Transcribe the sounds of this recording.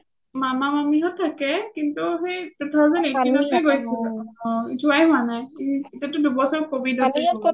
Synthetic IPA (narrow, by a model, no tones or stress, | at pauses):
mamamamiɦɔtʰːakɛkintuɦejtɛtʰɔazanetinɔkejɡojsilɔituajɦʊwanajiitatʊdubɔsɔɹkobidɔsiɔ